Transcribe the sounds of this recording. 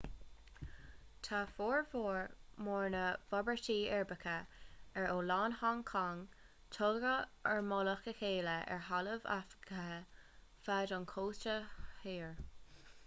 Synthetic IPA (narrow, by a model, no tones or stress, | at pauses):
t̪ʰafoːɹvoːɹmɔɹnəv̥ɔbəɹtiːɛɹbəkʰəɛɹoːlaːnhaŋkʰaŋ | t̪ʰɔɡɾəɛɹmɔləxəxeːləʔɛ̰ɹɦaləva̰fkʰə | fadɑnkʰoːst͡ʃəheːɹ